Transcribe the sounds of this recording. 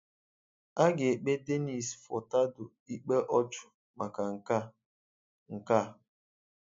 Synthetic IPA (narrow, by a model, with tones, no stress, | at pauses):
a˦ɡe˨e˨k͡pe˦de˦ni˨sfɔ̰˨ta˦dʊ˨ | i˦k͡pe˦ʔɔ˦t͡ʃʊ̥˨ | ma˨ka˨ŋ̩˨ka˦ | ŋ̩˨ka˦˨